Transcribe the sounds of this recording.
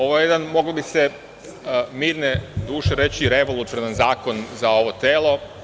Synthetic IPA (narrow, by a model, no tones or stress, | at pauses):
o̞ʋojejed̪anmo̞ɡlobise̞ | miːɾned̪uːʃeɾe̞t͡ɕiːɾe̞ʋo̞lˠut̪jonanzaːko̞nzao̞ʋot̪eːlo̞